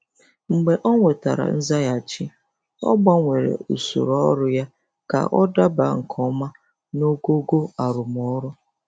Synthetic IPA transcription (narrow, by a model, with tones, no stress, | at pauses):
ŋ͡m̩˨ɡ͡be˨ʔɔ˦ŋʷe˨ta̰˨ɾa̰˨n̩˦za˦ja˨t͡ʃɪ˦ | ɔ̰˦ɡ͡ba˦ŋʷe˨ɾḛ˨u˨sṵ˨ɾɔ˦ɾʊ˦ja˦ | ka̰˨ʔɔ˦da˦ba˨˦ŋ̩˨kʰɔ˦ma˦ | no˦ɡo˦ɡo˦a˨ɾʊ˨m˨ɔ˦ɾʊ˦